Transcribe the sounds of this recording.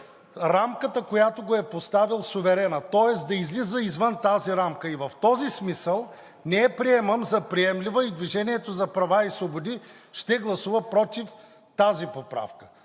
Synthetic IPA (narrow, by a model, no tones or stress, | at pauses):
ɾamkət̪əkojat̪oɡoɛpost̪avilˠsʊvɛɾɛnət̪ɔɛsd̪ɐizlizəizvənt̪aziɾamkəivɐft̪ɔzismisəlˠ | nɛɛpɾiɛməmzɐpɾiɛmlʲivəid̪viʒɛniɛt̪ozɐpɾɐvaisvobod̪i | ʃt̪ɛɡlˠɐsuvəpɾɔt̪if | t̪azipopɾa̰fkə̥